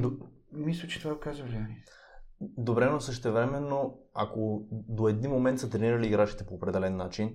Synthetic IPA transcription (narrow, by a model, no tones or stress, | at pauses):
d̪o | mislʲət͡ʃɛ̥t̪ovaɡokazvɐlʲianʲi | d̪obɾɛɛnosɤʃt̪ɛvɾɛmɛnːo | a̰kod̪oɛd̪inmomɛ̃nt̪sət̪ɾɛniɾɐliːɡɾat͡ʃi̥t̪ɛpoːpɾɛd̪ɛlɛnːat͡ʃin